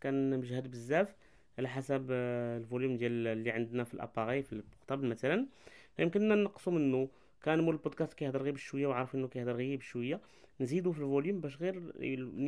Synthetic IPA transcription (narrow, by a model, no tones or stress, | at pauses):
kænmʒhəd̪bəzːæf | ʕalæħasæblvuljumd̪jællːiʕand̪næfilʔæ̰pɑɣifilmqt̪ˤɑbəlmæt̪ælænfæjəmkənːænːɑqːsumənːu | kænmuɾəlbud̪̚kæst̪̚kæjhd̪ɑɾɣibəʃwəjːawʕɾfʔənːukæjhd̪ɑɾɣijibʃwəjːa | nzid̪ufilvuljumbæʃ̬ɣiɾ